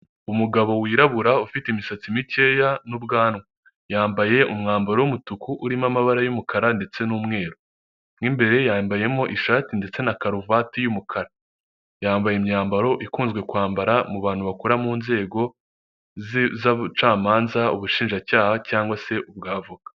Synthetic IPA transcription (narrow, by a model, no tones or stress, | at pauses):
umuɡaβo̞wiːɾaβuɾaufiteimisat͡simice̞janubɡaːnwa | jaːmbaje̞ʔumŋaːmbaɾo̞wumutukuʔuɾimamaβaɾajumukʰaɾande̞t͡se̞nuːmŋe̞ːɾo | ŋimbe̞ɾe̞jaːmbaje̞mo̞ʔiʃaːtinde̞t͡se̞nakaɾuvaːtijumukʰaɾa | jaːmbajemɲaːmbaɾo̞ʔikuːnzɡwe̞kwaːmbaɾamuβaːnhuβakuɾamuːnze̞ːɡo̞ | zt͡ʃaːmaːnzauβuʃiːnʒacaːhacaːŋɡwase̞ʔubɡaːvuɡḁ